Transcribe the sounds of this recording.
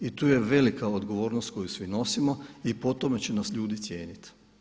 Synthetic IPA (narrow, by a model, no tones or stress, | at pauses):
it̪uːje̞ʋe̞likaod̪ɡo̞ʋo̞ːɾnost̪̚ko̞jusʋino̞simo̞ipo̞t̪o̞me̞t͡ɕenasʎuːd̪it̪sʲje̞ːnit̪